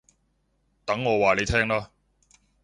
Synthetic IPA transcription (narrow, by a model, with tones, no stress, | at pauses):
t̪ɐ˨˥ŋːɔː˨˧waː˨˩le˨˧jt̪ʰɛː˥ŋlaː˥